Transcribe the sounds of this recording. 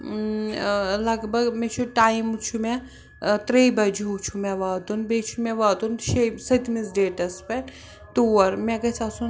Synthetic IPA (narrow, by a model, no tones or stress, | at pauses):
lɐɡbɐɡmẽt͡ʃʰuʈaːimut͡ʃʰume | t̪ɾeibɐd͡ʒuɦut͡ʃʰumẽʋaːd̪unbet͡ʃʰumẽʋaːd̪unʃesɐt̪mis̬ɖeːʈɐspɐ | t̪uːɐɾmẽɡɐsʰasun